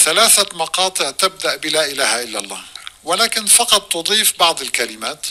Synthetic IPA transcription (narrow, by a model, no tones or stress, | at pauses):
θalaːθamɑqɑːt̪ˤɨʕt̪ɪb̚d̪aʔbɪlaːʔɪlaːhaʔɪlːalˤːa̰ːwɪlaːkɪnfɑqɑt̪ˤːʊd̪ˤiːfbɑʕd̪ˤɪlkalɪmaːt̪